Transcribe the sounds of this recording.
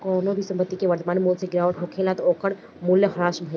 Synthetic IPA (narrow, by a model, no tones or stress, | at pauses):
kɔːnõbʱisɐ̃mpət̪ːikeʋɐɾt̪maːnmuːlseɡɪɾaːʋəʈɦokʰeːlaːt̪oːkəɽ | muljəɦɐɾaːʃbʱə